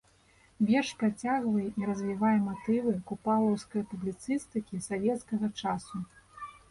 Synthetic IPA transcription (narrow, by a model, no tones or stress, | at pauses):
vʲɛrʂpat͡sʲaɣvɐjɛʔiɾɐzʲvʲivajɛmat̪ɨvɨkupalˠɐwskɐjpublʲit̪sɨst̪ɨkʲisavʲɛt̪skɐɣɐt͡ʂasu